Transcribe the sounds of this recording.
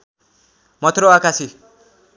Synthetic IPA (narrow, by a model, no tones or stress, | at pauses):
mʌt̪ʰɾoakasi